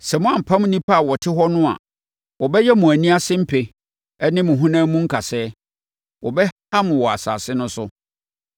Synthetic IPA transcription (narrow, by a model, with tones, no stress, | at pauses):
sɛ˨mʊ̃˦ã˦˨m̩˨pʰã˦m˦nĩ˦pʰa˦a˨wɔ˨tʰɪ˦ɦɔ˦nʊ̃˦a̰˨ | wɔ˨bɛ˦jɛ˦mũ˨æ˨nĩ˦a˦sɪ̃˦m̩˦pʰe˨ | ɛ˦nɪ̃˦mʊ̃˨ɦũ˦nãː˦mũ˦ŋ̩˦kʰa˨sɛː˦ | wɔ˨bɛ˦ | a˦mʊ̃˨wɔ˨a̰˨sa̰ː˨sɪ˦nʊ̃˦sʊ˦